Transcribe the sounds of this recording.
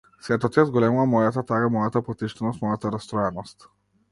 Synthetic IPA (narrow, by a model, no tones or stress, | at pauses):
sɛt̪ɔt̪ʲazɡɔlɛmuvamɔjat̪at̪aɡamɔjat̪apɔt̪iʃt̪ɛnɔst̪mɔjat̪aɾast̪ɾɔjɛnɔst̪